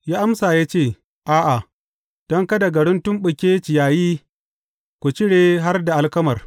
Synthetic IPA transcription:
jaː˦ʔa˦msaː˨jaː˦t͡ʃeː˦˨ | ʔaː˦ʔa˨ | d̥ɔ˦ŋka˦da˨ɡɐ˨ɽɪ˦ntʊ˦mɓʊ˨kʲeː˦t͡ʃɪ˨jaː˨jiː˦ | kʷu˨t͡ʃɪ˦ɽeː˨ɦa˦rda˨ʔa˨lkɐ˦mɐ˨r

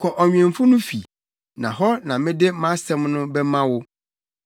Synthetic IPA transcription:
kʰɔ˨ʔɔ˨ɲᶣ˨ɛ̃˨m˨fʊ˦nʊ̃˦fi˨ | nã̰˨ɦɔ˦nã˨mɪ̃˦dɪ˦mã˦sɛ̃˦mnʊ̃˦bɛ˦mã˦wʊ˦

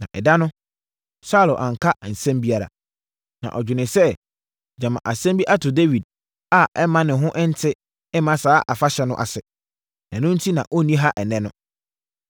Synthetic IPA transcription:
nã̰˨ʔɛ˨da˦nʊ̃˦ | sa˦˨lo˨ʔã˨ŋ̩˨kʰa˦˨n̩˨sɛ̃˦mbi˦a˦ɾa̰˨ | nã̰˨ʔɔ˨d͡ʑᶣɪ˨nɪ̃˨sɛ˦ | d͡ʑã˨mã̰˨ʔa˨sɛ̃˦mbi˦ʔa˦tʰʊ˨de˦wi˨d̚ | a˦ɛ˦mã˦nɪ̃˨ɦʊ̃˦ʔɪ̃˦n̩˦tʰɪ˦ | ɛ˦mã˦saː˨˦ʔa˨fa˦ɕɛ˨˦nʊ̰̃˦ʔa̰˨sɛ˨ | ɛ̃˨nʊ̃˦n̩˦tʰi˦nã˨ʔɔ˦nĩ˦ɦa˦ʔɛ˨nɛ̃˦nʊ̃˦

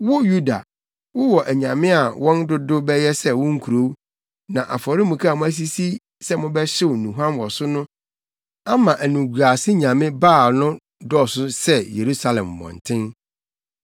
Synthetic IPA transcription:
wʊ˦ju˦da̰˨ | wʊ˦wɔ˨ʔæ˨ɲã˨mɪ̃˦a˨wʔɔ̃˦ndʊ˦dʊ˦bɛ˦jɛ˦sɛ˦wʊ̃˦ŋ̩˦kʰu˨ɾo˦ | nã˨ʔa̰˨fɔ˨ɾɪ˦mũ˨kʰa˦a˨mʊ̃˦æ˦s̬i˦si˦ | sɛ˦mʊ̃˦bɛ˦ɕɪ˦wnũ˨ɦã˦nwɔ˨sʊ˦nʊ̃˦ | a˦mã˨ʔæ˨nũ˨ɡu˨ɾa˨sɪ˦ɲã˨mɪ̃˦baː˦˨nʊ̃˦ | dɔ˦˨sʊ˦sɛ˦je˨ɾu˦sa˦lɛ̰̃˨mː˨ɔ̰̃˨n˨tʰɪ̃˦n

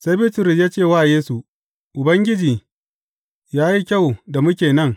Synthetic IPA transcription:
sa˦bi˦tʊ˨ɾʊ˨s̬jaː˦t͡ʃeː˦˨waː˦˨jeː˦su˨ | ʔʊ˨bɐ˦ŋɡʲɪ˦d͡ʒiː˨ | jaː˦ji˦kʲɐ˦˨wda˨mʊ˦kʲeː˨nɐ˦ŋ

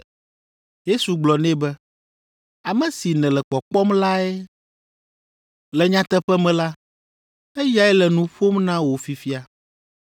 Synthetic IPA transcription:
je˦su˨ɡ͡blɔ˨nɛ̃˦bɛ˦ | a˨mɛ̃˨si˨nɛ̃˨lɛ˨k͡pɔ˨k͡pɔ˦mla˦ɛ˦ | lɛ˨ɲã˦t̪ɛ˦ɸɛ˦mɛ̃˨la˦ | ɛ˦ja˦ɛ˦lɛ˨nũ˨ɸo˦mnã˦wo˨fi˨fi˦a˨

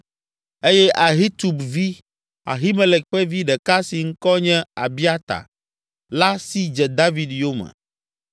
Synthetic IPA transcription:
e˦jɛ˦ʔa˨ɦi˦t̪u˨bvi˦ | a̰˨ɦi˦mẽ˦lɛ˨k̚ɸɛ˦vi˦ɖɛ˨ka˦si˨ŋ̩˦kɔ˦ɲɛ̃˦a˨bi˦a˦t̪a̰˨ | la˦si˦d͡ʒɛ˨d̪a˦vi˨d̪jo˦mɛ̰˨

